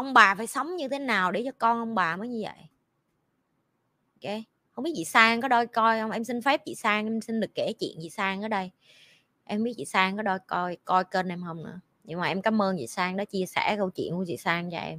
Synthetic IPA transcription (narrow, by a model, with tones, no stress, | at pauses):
ʔə˧wŋ͡mɓaː˨˩faː˧˩jsə˨˦wŋ͡mɲɨ˧t̪ʰe˨˦naː˨˩wɗe˨˩t͡ɕɔ˧kɔ˧nʔə˧wŋ͡mɓaː˨˩məː˨˦jɲɨ˧və̰˧˨j | o˧ke˧˦ | hə˧wŋ͡mɓi˦˥t̚t͡ɕḭ˧˨saː˧ŋkɔ˨˦ɗɔ˧jkɔ˧jhə˧wŋ͡mʔɛ˧msi˧n̟fɛ˦˥p̚t͡ɕḭ˧˨saː˧ŋʔɛ˧msï˧nɗɨ˨˩ə˩kːe˧˩t͡ɕḭ˧˨ənt͡ɕḭ˧˨saː˧ŋʔəː˨˦ɗə˧j | ʔɛ˧m˧ɓi˦˥t̚t͡ɕḭ˧˨saː˧ŋkɔ˨˦ɗɔ˧jkɔ˧jkɔ˧jke˧nʔɛ˧mhə˧wŋ͡mnɨ̰˧˥ə | ɲɨ˧ŋmaː˨˩ʔɛ˧mkaː˨˦mʔəː˧nt͡ɕḭ˧˨saː˧ŋɗɔ˨˦t͡ɕi˧əsɛ̰˧˩kə˧wt͡ɕḭ˧˨ənku˧˩t͡ɕḭ˧˨saː˧ŋt͡ɕɔ̰˧ʔɛ̰˧m